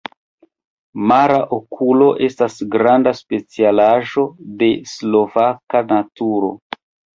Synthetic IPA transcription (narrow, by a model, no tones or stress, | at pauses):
maɾaʔokʰulo̞ʔe̞stasɡɾandaspe̞t͡sialaʒo̞de̞slo̞vakanatuɾo̞̰